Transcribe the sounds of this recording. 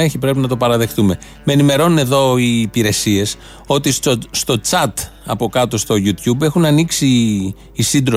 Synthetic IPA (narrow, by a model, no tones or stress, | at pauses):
eçipɾe̞pinɐt̪o̞pɐɾɐðe̞xt̪ume̞ | meenime̞ɾo̞nune̞ðo̞iːpiɾe̞sie̞s | o̞t̪isst̪o̞t͡sɐt̪ | ɐpo̞kɐt̪o̞st̪o̞ʝut̪çube̞xunɐniksiː | sind̪ɾo